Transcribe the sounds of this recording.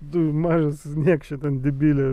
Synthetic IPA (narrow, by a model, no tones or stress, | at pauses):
t̪uːmɑːʒɐssʲnʲiɛkʃʲt͡ʃʲɛt̪ʲɛnd̪ʲɪbʲiːlʲɛ